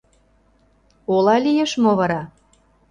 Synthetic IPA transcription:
olɑlʲijeʃmoβɑɾɑ

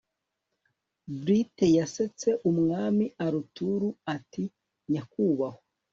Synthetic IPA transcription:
bɾitejaset͡se̞ʔumŋaːmiaɾutuɾuati | ɲakuːβaho

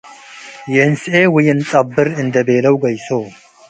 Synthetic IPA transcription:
jɛnsʔeːwɪjɪnt͡s̪ʼɐbːɨɾɨnd̪ɐbeːlɐwɡɐjsoː

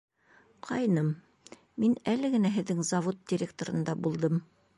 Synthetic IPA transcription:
qʰɑjnɤm | minælɘ̆ɡɘ̆næɦɘ̆ðːɘŋzɐvot̪̚dʲɪɾʲekt̪oɾɤ̆nd̪ɑbulˠd̪ɤm

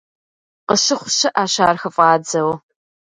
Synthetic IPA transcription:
qəɕɪχʷʊɕɪʔaːɕaːrxɐfʼɑːd͡zɐw

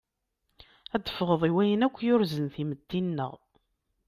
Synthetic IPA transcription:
æd̪ə̥fʁəðˤiwæjənækʷːjʊɾzənθiməd̪ːinːə̰ʁ

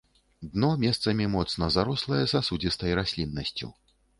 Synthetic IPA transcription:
d̪nɔmʲɛst̪sɐmʲimɔt̪snɐzaɾɔslˠɐjɛsasud͡zʲist̪ɐjɾasʲlʲinːɐsʲt͡sʲṵ

